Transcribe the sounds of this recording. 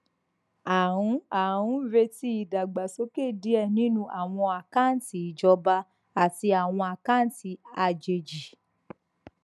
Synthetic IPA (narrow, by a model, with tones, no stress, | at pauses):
a˨ɾũ˨˧˦a˨ɾũ˦ɾe˧ti˧˦i˨da˨ɡ͡ba˨so˨˦ke˦˨di˨˦ɛ˦˨nĩ˦nũ˦˧ʔa˨w̃ɔ̃˧a˨ka˦˨n˨ti˨d͡ʒɔ˧ba˧ | a˨ti˧a˨w̃ɔ̃˧a˨ka˦˨n˨ti˨a˧˨d͡ʒe˨d͡ʒi˨